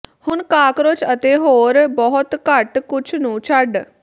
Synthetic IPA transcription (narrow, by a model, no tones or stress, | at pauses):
hʊnkaːkɾot͡ʃʰət̪eːɦoːɾbɔɦʊt̪kəʈkʊt͡ʃʰnũːt͡ʃʰəɖ